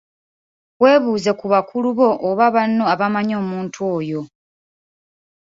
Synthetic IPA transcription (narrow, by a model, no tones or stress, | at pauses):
wwe̞ːβuːze̞kuβakʰuluβo̞ʔoβaβanːo̞aβamaɲo̞ːmuːntʰwo̞ːjo̞